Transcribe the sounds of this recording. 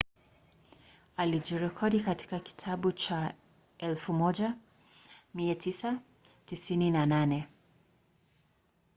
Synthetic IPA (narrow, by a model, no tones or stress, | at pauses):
alid͡ʒiɾɛkʰɔɗikati̥kaki̥tʰaɓut͡ʃa | ɛlfumɔʄa | miatʰisa | tisininananɛ